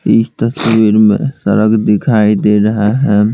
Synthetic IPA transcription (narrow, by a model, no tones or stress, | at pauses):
ɪst̪əswiɾmḛ̃sɐ̰ɾəɡd̪ɪkʰaːid̪eːɾɐɦaɦɛː